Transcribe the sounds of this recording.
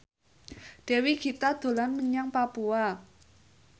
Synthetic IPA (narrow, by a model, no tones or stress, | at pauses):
ɖ̥ɛ̤wiɡ̥i̤t̪ad̪̥o̤lanməɲaŋpapua